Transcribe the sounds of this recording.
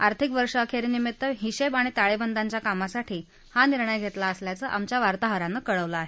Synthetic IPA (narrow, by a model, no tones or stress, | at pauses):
aɾt̪ʰikʋəɾʂəəkʰeɾnimit̪ːəɦiɕebaɽ̃it̪aɭebənd̪aɲt͡ɕjakamasaʈʰiː | haniɾɳəjɡʱet̪laəsljat͡səʔamt͡ɕjaʋaɾt̪aɦəɾanːəːkəɭəʋlaːɦe